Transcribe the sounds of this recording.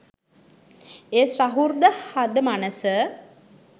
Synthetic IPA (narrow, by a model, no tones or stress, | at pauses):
eːsraɦurd̪əhad̪əmanəsə